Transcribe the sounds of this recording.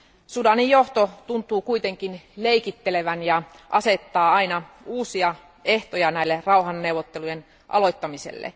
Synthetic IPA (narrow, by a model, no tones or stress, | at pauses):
sudɑnijjoht̪ot̪unt̪ˑuːkuit̪e̞ŋkinleikit̪ːeleʋænjɑʔɑset̪ːɑːɑinɑ | uːsiɑ | eht̪ojɑnæilːerɑuɦɑnːewʋːˑot̪ːelujen | ʔɑ̰lo̞jt̪ːɑmisḛlːḛ